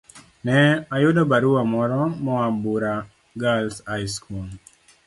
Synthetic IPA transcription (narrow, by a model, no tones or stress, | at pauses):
nɛajʊdɔbaɾuwamɔɾɔmɔabuɾa | ɡalsajskul